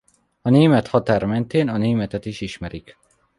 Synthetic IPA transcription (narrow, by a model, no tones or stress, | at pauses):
ɒneːmɛt̪hɒt̪aːɾɒmɛnt̪eːnɒneːmɛt̪ɛt̪iʃiʃmɛɾik